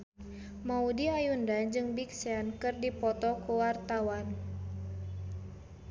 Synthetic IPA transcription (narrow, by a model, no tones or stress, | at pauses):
maudiajundad͡ʒɨŋbiksɛnkɨrdipɔt̪ɔkuwart̪awan